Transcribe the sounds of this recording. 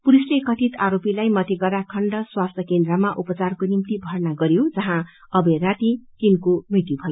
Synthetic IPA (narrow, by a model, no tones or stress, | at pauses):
puɾisʈekʌʈʰit̪aɾopilajmʌt̪eɡʌrakʰʌɳɖʌswast̪ʰʌkend̪rʌmaʔupʌt͡sarkonimt̪ibʱʌrnaɡʌɾjod͡zʌɦã | ʌbeɾat̪ikinkomit̪ibʱʌjo